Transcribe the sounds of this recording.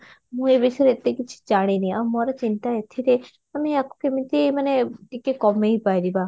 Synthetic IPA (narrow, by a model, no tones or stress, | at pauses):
mũebiseɾet̪ːekit͡ʃʰi̥d͡ʒaɽ̃enĩamoɾat͡ʃint̪aet̪ʰiɾe | ɐmiako̥kemit̪imɐneʈikːekɔmeipajɾiba